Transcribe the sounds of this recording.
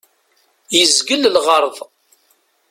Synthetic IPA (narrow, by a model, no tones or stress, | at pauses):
jəzɡəllʁəɾˤðˤ